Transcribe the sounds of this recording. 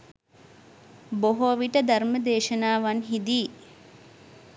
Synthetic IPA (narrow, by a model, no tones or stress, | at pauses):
boɦoʋiʈəd̪ɐɾməd̪eːʃɐnaːʋanɦid̪iː